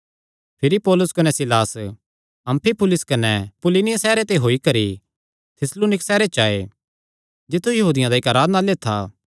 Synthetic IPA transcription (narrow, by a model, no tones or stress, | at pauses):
pʰɪɾipɔːlʊskɐnɛsɪlaːs | ɐ̃mpʰipʊlɪskɐnɛpʊlɪnɪjasɛːɾet̪eɦoːikɐɾi | t̪ʰɪsloːnɪksɛːɾet͡ʃaːḛ | d͡ʒɪt̪ʰːujɐɦuːd̪ɪjãd̪aɪkaːɾaːd̪naleːt̪ʰːa̰